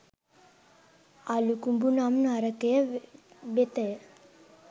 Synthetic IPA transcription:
alukumbunamnaɾɐkejɐʋet̪ɐj

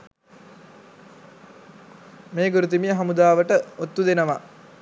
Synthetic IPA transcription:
meːɡuɾut̪imijəɦamud̪aːʋəʈəot̪ːud̪enəʋa

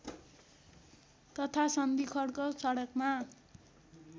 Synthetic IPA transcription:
t̪ʌt̪ʰasʌnbikʰʌɽkosʌɽʌkma

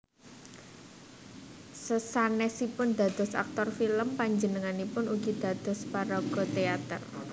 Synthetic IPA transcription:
səsanɛsipʊnd̪̥a̤d̪̥ɔ̤sa̰k̚t̪ɔrfiləmpaɲd͡ʒənəŋanipʊnuɡ̥id̪̥ä̤d̪̥ɔ̤spaɾɔɡ̥ɔ̤t̪eat̪ər

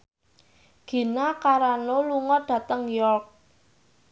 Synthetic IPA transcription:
ɡ̥i̤nakaɾanoluŋɔd̪̥ä̤t̪əŋjɔrk̚

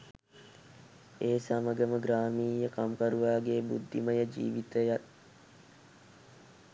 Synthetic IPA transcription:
eːsaməɡəməɡɾaːmiːjəkamkaɾuʋaːɡeːbṵd̪ʱːiməjəd͡ʒḭːʋit̪əjat̪̚

